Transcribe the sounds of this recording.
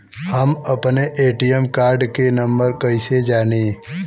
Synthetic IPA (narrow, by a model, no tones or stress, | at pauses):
həmɐpneʔeːʈijemkaːɾɖkenɐ̃mbəɾkɐised͡ʒaːneː